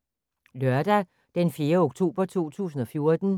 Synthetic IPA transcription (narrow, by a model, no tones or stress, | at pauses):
lœɐd̥æ | d̥enfje̝ːɐoɡ̥̚t͡sʰo̝̰ːb̥ɐt͡sʰo̝̰ːt͡sʰṵːsn̩ɒ̽fjo̝ɐd̥n̩